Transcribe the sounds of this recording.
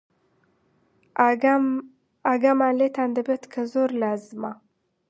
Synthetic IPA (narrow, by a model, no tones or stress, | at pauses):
aɡamalet̪and̪əbet̪kʰəzoɾlazma